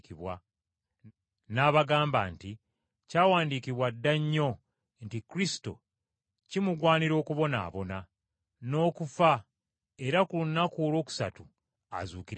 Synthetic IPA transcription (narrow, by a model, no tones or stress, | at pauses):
kiβwa | naːβaɡaːmba̰nti | caːwaːndiːkiβwadːaɲːo̞ | ntikɾisi̥to̞̰ | cimuɡwaːniɾo̞ːkuβo̞na̰ːβo̞na | no̞ːkufa | e̞ɾakulunːakuːlo̞ːku̥sa̰tu | a̰zuːkiɾ